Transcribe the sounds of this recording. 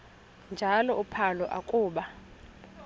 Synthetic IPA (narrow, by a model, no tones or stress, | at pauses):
nd͡ʒʱalɔʔupʰalɔʔakʼuːɓa